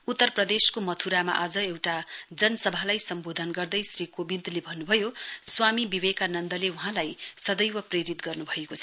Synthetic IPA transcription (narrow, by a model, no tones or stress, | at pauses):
ut̪ːʌrprʌd̪eskomʌt̪ʰuɾama̰ʔad͡zʌewʈad͡zʌnʌsʌbʱalajsʌmbod̪ʱʌnɡʌrd̪ʌjsrikobint̪lebʱʌnːubʱʌjoswamibiβekanʌnd̪ʌleuɦãlajsʌd̪ʌjwʌpreɾit̪ɡʌrnubʱʌekot͡sʰʌ